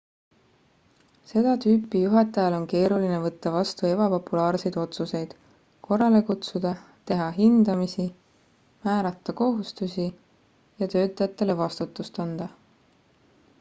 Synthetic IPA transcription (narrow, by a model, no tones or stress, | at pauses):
se̞d̪̥ɑt̪yːpːˑijuɦɑt̪ːˑɑjɑlo̞nke̞ːɾuline̞vɤt̪ːɑvɑst̪ue̞bɑpo̞pːulɑːɾse̞jd̪̥o̞t̪suse̞jd̪̥ | ko̞rɑle̞kut̪sud̪̥ɑ | t̪e̞ɦɑɦind̪̥ɑmisi | mæːɾɑt̪ːˑɑko̞ɦust̪usʲi | jɑt̪ø̞ːt̪ːˑɑjɑt̪ːˑe̞le̞vɑst̪ut̪ːˑust̪ɑnd̪̥ɑ